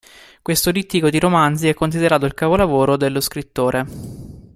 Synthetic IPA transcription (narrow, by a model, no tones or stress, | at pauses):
kwest̪oɾit̪ːikod̪iɾomand̪ziɛkːonsid̪eɾaːt̪oilkaːpolavoːɾod̪elːoskɾit̪ːoːɾe